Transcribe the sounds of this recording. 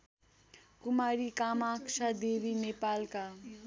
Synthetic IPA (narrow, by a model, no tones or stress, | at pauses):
kumaɾikamaksʰad̪ebinepalka